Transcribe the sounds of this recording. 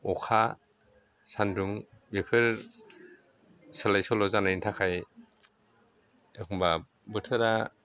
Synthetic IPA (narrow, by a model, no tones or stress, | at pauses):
ɔkʰa | sanduŋ | bepʰeɾ | salajsɔlɔzanantʰakʰaj | ekʰɔmba | bɯtʰɯɾa